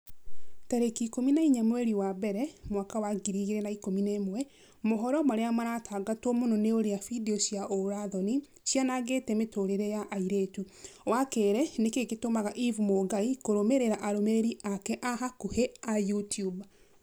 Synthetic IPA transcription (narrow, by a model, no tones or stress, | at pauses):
taɾekikominaiɲamwɛɾiwabɛɾɛmwakawaɡiɾiɣeɾɛnaikominemwɛ | moɦɔɾɔmaɾeamaɾatʰaːɡatwɔmonɔneoɾeafidiɔsjaʔoɾaðɔni | ɕjanaɣetɛmetoɾeɾejaʔaiɾetu | wakeːɾɛnekeɣetomaɣaʔivumoɡaikoɾomeɾeɾaʔaɾomeɾeɾiʔakɛʔaɦakoheajutjub